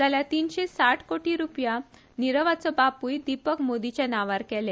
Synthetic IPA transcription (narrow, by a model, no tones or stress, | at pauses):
d͡zaljat̪iːnɕesaʈʰkoʈiɾupja | niɾəʋat͡sɔbapujd̪ipəkmod̪it͡ɕjanaʋaɾkɛle